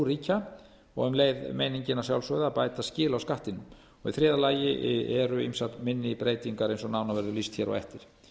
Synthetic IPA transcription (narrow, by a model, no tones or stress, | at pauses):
ɾiːca | ɔ̰ɣʏmleːjðmejniɲcɪnḁsjawlsœðaːpaːjt̪ascɪːlawskaht̪ɪnːʏm | ɔɣiθɾɛːðalaːjɪʔɛɾʏimsat̪mɪnːɪpɾeːjt̪iŋkaɾejnsɔnawnavɛɾðʏlist̪çɛːɾɔ̰ɣɛ̰ft̪ɪɾ̥